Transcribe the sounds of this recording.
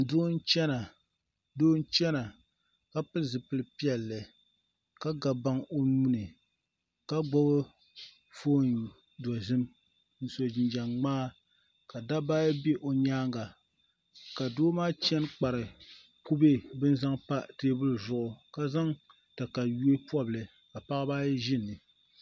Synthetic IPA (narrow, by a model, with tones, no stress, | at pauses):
doː˦n̩˦t͡ʃɛ˦na˨ | doː˦n̩˦t͡ʃɛ˦na˨ | ka˦pɨ˦lzɨ˨pɨ˦lɨ˦pi˦ɛ˨lːɨ˨ | ka˦ɡa˨ba˦ŋo˦nuː˦nɨ˨ | ka˦ɡ͡bɔ˦bɨ˦ | foː˦n | dɔ˨zɨ˦m | n̩˨so˨d͡ʒɪ˨nd͡ʒa˨ŋŋ͡maː˦ | ka˨da˦baː˦jɛ˦be˦ʔo˨ɲaː˦ŋɡa˨ | ka˨doː˦maː˦t͡ʃɛ˦nk͡pa˨ɾɨ˨ | ku˦be˦bɨ˦n˦za˦ŋpa˦teː˦bɨ˦lɨ˨zʊ˨ʔʊ˨ka˦za˦ŋ | tɨ˨ka˨ju˦e˦pɔ˦blɨ˨ | ka˨pa˦ʔbaː˦jɛ˦ʒɪ˦nːɨ˨